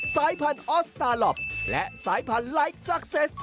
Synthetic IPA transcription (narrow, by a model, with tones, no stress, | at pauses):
saː˨˦jpʰa˧nʔɔ˦˥st̪aː˧lɔ˦˩p̚lɛ˦˥ʔsaː˨˦jpʰa˧nla˦˥jk̚sa˧k̚se˦˥s